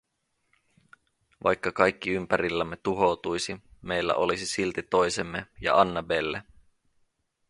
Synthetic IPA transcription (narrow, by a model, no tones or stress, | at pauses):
ʋɑ̰jkːɑkɑjkːiympæɾilːæmːe̞t̪uɦo̞t̪ujsime̞jlːæ̰ʔo̞lisisilt̪it̪o̞jsemːejɑ̰ɑnːɑbelːe